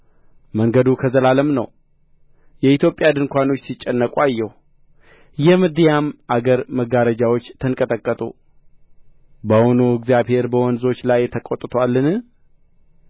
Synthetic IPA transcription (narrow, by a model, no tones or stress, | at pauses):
məŋɡəd̪ukʰəzəlaləmnə̰w | jɛit̪jo̞pʼjad̪ɨŋkʷano̞t͡ʃːsit͡ʃʼːɛnːəkʼuajːɛhu | jɛmɨd̪ijamʔaɡəɾməɡaɾəd͡ʒawo̞t͡ʃːt̪ʰənkʼət̪ʼəkʼːət̪ʼṵ | bəhonoɨɡzjaβhe̞ɾbəwɔnzo̞t͡ʃːlajt̪ʰəkʼot̪ʼːɨt̪ʰoalːɨnɨ